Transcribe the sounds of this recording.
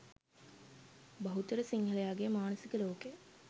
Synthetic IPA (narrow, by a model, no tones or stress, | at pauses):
bɐɦut̪əɾəsiŋɦəlejaːɡejmaːnəsikəloːke